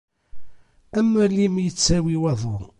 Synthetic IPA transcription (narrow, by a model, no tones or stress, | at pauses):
æmːəlimjət͡sːæwiwæðˤʊ